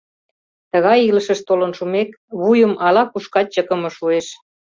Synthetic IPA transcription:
t̪əɣɑjiləʃəʃt̪olənʃumek | βujəmɑlɑkuʃkɑt͡ɕəkə̆mɤ̆ʃueʃ

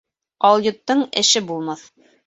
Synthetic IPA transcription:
ɑlˠjŏt̪ːɤɴɘ̆ʃɘbulˠmɑθ

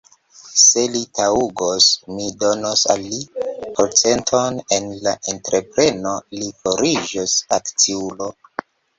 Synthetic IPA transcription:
se̞litʰauɡosmidonosa̰lːipʰoɾt͡se̞ntʰo̞ne̞nlaʔentɾʔe̞pɾe̞no̞liko̞ɾid͡ʒosakt͡siulo̞

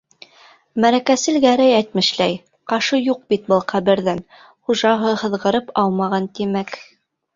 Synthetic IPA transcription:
mæɾækæsɘ̆lɡæɾæjæjt̪̚mɘ̆ʃlæj | qɑʃɤjuq̚bit̪̚bɤlˠqæβɘ̆ɾðæn | χuʒɑɦɤhɤ̆ðʁɤ̆ɾɤpɑwˠmɑʁɑnt̪imæk

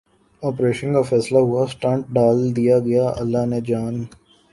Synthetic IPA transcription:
ɔːpɾeːʃənkafɛːslaɦʊasʈãːɳʈ̚ɖaːld̪ijaɡɐjaɐlːaɦned͡ʒaːn

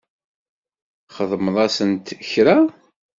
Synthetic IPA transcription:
χəðˤməðˤɑsənt̪çɾa

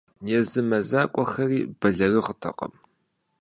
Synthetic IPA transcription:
jɛzɨmɐzaːkʷʼɔxɐriːb̥ɐɮɐrɨʁətʰɐ̰qɐ̰m

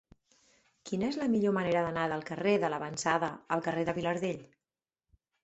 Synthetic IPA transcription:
kinəezləmiʎoməneɾəðənaðəlˠkəreðələβənsaðəəlˠkəreðəβiləɾðeʎ

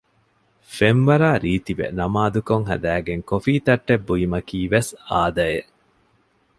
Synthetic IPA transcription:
fenʋɐɾaːɾiːt̪iʋḛnɐmaːd̪ukoŋɦɐ̰d̪æːɡeŋkofiːt̪ɐʈːebːuimɐkiːʋesaːd̪ɐjeʔ

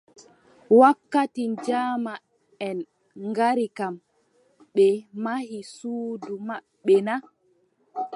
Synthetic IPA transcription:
wakːatind͡ʒaːma | ɛn | ŋɡaɾikam | ɓɛmahisuːdumaɓːɛna

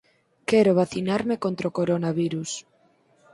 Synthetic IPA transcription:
kɛɾoβaθinaɾmekont̪ɾaokoɾonaβiɾus

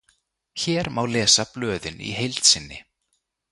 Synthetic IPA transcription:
çɛːɾmawlɛːsaplœːðɪnḭɦejlt̪sɪnːɪ

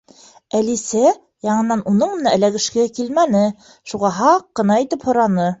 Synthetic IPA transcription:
ælisæ | jɑɴɤ̆nːɑnʔunɤɴmɤ̆næʔæ̆læɡɘ̆ʃkækilmænɘ | ʃuʁɑɦɑqːɤ̆nɑit̪ɘphŏɾɑnɤ

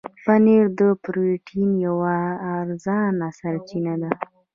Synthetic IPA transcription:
paneɾd̪əpɾiʈʰimjawaːɾzɑnasaɾt͡ʃinad̪a

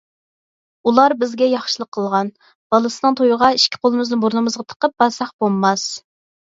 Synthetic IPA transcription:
ulˠɑɾbɪzɡʲɛjɑχʃɨlˠəqʰːəlˠʁɑn | b̥ɑlˠɨsɨnɨŋt̪ʰojʊʁɑiʃkʲʰɪ̥qʰolˠɨmɨznɨboɾnɨmɨzʁɑt̪ʰə̥qəp̚bɑsɑχbolˠmːɑs

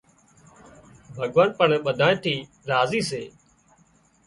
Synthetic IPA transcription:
bʱəɠʋaːnpəɳːɓəd̪ʱãːt̪ʰiː | ɾaːziːseː

